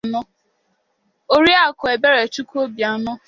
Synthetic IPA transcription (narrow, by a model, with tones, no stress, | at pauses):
nʊ˦ | o˦ɾi˦a˨kʊ˨e˨be˦ɾe˨t͡ʃu˦ko˦bja˨nʊ˦